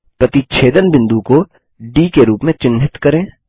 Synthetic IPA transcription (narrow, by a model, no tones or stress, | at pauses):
pɾɐt̪it͡ʃʰeːd̪ənbɪ̃nd̪uko | ɖiːkeɾuːpmẽt͡ʃɪnɦɪt̪kɐɾẽː